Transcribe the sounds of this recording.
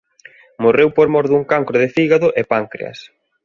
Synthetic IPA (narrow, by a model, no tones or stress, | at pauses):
morewpoɾmɔɾðuŋkaŋkɾʊðɪfiɣaðʊʔepaŋkɾḛɐ̰s